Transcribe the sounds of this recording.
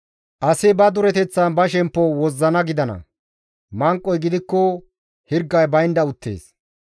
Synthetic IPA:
ʔɐsɪbɐd̪ʊɾɛt̪ɛt͡sːɐnbɐʃɛmpːɔwɔzːɐnɐɡɪd̪ɐnɐ̰ | mɐŋkʼːɔjɡɪd̪ɪkːɔ | hɪɾɡːɐjbɐjnd̪ɐʊt̪ːḛːs

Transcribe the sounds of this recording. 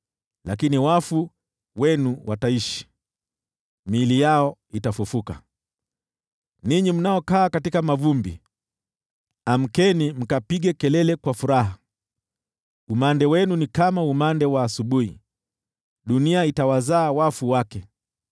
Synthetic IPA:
lakiniwafu | wɛnuwʔataiʃi̥ | milijaɔitafufuka̰ | niɲim̩najɔkaːkatikamavumbḭ | am̩kɛnim̩kapiɠɛkɛlɛlɛkwafuɾaɦa | umandɛwɛnunikamaumandɛwaːsuɓuhḭ | ɗuniaitawazaːwafuwakɛ

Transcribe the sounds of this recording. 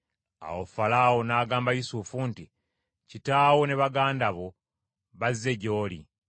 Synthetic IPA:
a̰wofalaːwo̞naːɡaːmbajusufunti | citaːwo̞ne̞βaɡaːndaβo̞ | βazːe̞ɟo̞ːlḭ

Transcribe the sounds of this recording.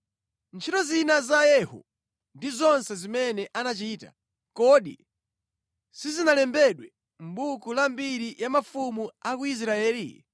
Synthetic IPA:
nt͡ʃʰitɔzinazajɛhɔ̰ | ndizɔnsɛzimɛnɛʔanat͡ʃiːta̰ | kɔɗḭ | sizinalɛmbɛɗwɛ | m̩bukulambiɾijamafumuakuis̬ɾaɛːlḭ

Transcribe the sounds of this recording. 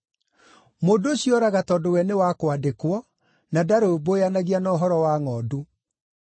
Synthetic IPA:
mondoɕjɔɾaɣatɔdowɛnewakwadekwɔ | nadaɾobojanaɣianɔːɦɔɾɔwaŋɔːdu

